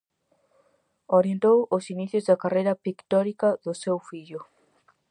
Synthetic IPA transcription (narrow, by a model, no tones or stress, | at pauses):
oɾjent̪owosiniθjozd̪akarejɾapikt̪ɔɾikaðʊsewfiʎʊ